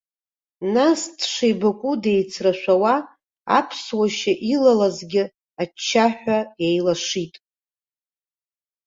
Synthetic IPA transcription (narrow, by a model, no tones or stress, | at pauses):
nastʰʂejbakʷʼude̞jt͡sʰraʃᶣʷawa | a̰pʰswaʃaʔilalazɡʲɪ | at͡ʃʰːaħʷᶣajajlaʂitʼ